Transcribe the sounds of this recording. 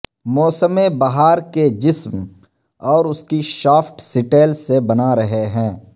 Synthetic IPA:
mɔːsəmẽbaɦaːɾked͡ʒɪsm | ɔːɾʊskiʃaːfʰʈsɪʈeːlsebɐnaɾɐɦeɦɛ̃ː

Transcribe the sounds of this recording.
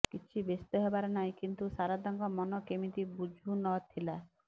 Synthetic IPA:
kit͡ʃʰibest̪ɔɦebaɾenaĩkint̪usaɾad̪ɔŋɡɔmɔnɔkemit̪ibud͡ʒʱunɔt̪ʰila

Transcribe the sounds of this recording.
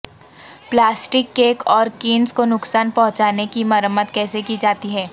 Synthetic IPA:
plaːsʈɪkːeːkɔːɾkiːnskonʊksaːnpɐɦʊ̃t͡ʃaːnekimɐɾəmːət̪kɛːsekid͡ʒaːt̪iɦɛː

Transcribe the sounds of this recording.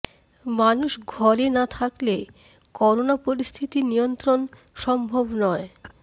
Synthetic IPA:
manuʃɡʱɔɾenat̪ʰakle | kɔɾonapoɾist̪ʰit̪inijont̪ɾon | ʃɔmbʱobnɔe

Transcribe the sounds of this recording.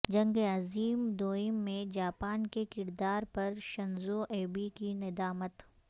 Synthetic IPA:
d͡ʒɐ̃ŋɡeɐziːmd̪oːɪmːẽd͡ʒaːpaːnkekɪɾd̪aːɾpɐɾʃɐnzoʔeːbikinɪd̪aːmət̪

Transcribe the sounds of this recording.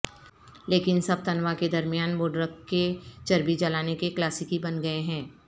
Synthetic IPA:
leːkɪnsɐb̚t̪ɐnʋaked̪ɐɾmijaːnboːɖɾəkːet͡ʃɐɾbid͡ʒɐlaːnekeklaːsɪkibɐnɡɐeɦɛ̃ː

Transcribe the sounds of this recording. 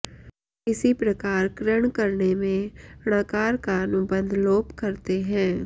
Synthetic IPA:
ɪsipɾɐkaːɾkɾəɽ̃kɐɾnemẽɽ̃akaːɾkaɐnʊbə̃nd̪ʱloːpkɐɾt̪eɦɛ̃ː

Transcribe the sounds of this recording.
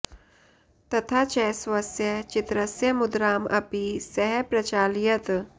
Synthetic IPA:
t̪ɐt̪ʰat͡ʃɛsʋɐsjɐt͡ʃit̪ɾɐsjɐmud̪ɾaːmʔɐ̰pisɛɦɛpɾɐt͡ʃaːljɐt̪

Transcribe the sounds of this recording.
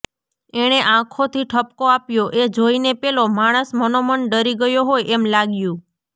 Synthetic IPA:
eɽ̃eʔãkʰot̪ʰiʈʰəp̚koapjoʔed͡ʒoinepelomaɽ̃əsmənoməɳɖəɾiɡəjoɦojɛmlaɡjũ

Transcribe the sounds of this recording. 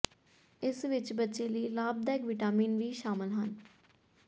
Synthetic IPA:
ɪsʋɪt͡ʃbətːʃeːləiːlaːb̚d̪aːɪkʋiʈaːmiːnʋiːʃaːmɪlɦən

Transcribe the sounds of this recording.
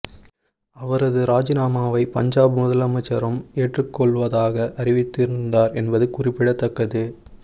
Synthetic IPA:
ɐʋɐɾɐðɯɾaːd͡ʒɪnaːmaːʋɐɪpɐɲd͡ʒaːbɯmʊðɐlɐmɐt͡ʃːɐɾɐmeːʈrɯkːɔɭʋɐðaːɣɐʔɐrɪʋɪt̪ːɪɾɯnd̪aːɾɛnbɐðɯkʊrɪpːɪɽɐt̪ːɐkːɐðɯ

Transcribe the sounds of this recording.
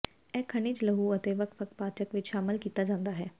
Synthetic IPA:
ɛːkʰəɳ̃iːt͡ʃləɦuːət̪eːʋəkʰʋəkpaːt͡ʃəkʋɪt͡ʃʃaːmɪlkiːt̪aːd͡ʒãːnd̪aːɦɛː

